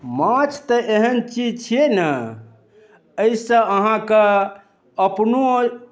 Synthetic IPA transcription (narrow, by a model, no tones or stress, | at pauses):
mãt͡ʃʰt̪əʔeɦənt͡ʃid͡ʒt͡ʃʰenə | əisə̃əɦãkə | əpno